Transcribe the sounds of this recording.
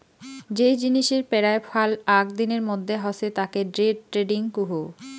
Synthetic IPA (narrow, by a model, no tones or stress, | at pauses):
d͡ʑejd͡ʑiniʃeɾpɛɾaepʰalakd̪ineɾmod̪ʱːeɦɔset̪akeɖɾeɖ̚ʈɾeɖiŋkuɦu